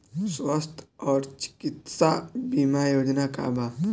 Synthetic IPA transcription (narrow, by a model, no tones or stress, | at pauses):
sʋəst̪ʰɔɾt͡ɕi̥kit̪sabimajod͡ʑnaka̰bʱa